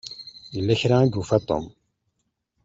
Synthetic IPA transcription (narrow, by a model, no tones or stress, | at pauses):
jəlːæçɾæid̪ufæt̪ˤo̰m